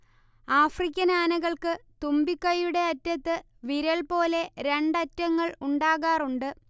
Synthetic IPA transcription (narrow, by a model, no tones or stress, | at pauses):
aːfrikʲːɐnaːnɐɣɐɭkɨt̪umbikːɐjuɽe̞ɐtːɐt̪ːɨ | ʋiɾɐɭpo̞ːle̞ɾe̞ɳɖɐtːɐŋːɐɭuɳɖaːɣaːruɳɖɨ